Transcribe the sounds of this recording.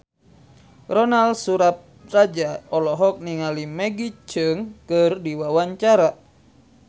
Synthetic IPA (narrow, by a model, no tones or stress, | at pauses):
rɔnalsuɾap̚rad͡ʒaɔlɔɦɔk̚niŋalimɛɡit͡ʃɨŋkɨrdiwawaɲt͡ʃaɾa